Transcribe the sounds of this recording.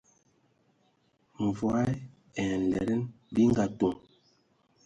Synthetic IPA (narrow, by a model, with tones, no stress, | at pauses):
ɱ˨vwa˦j | ɛ˨n̩˨lɛ̰˨ɾɛ˦n | bi˦ŋ˦ɡa˨to˨ŋ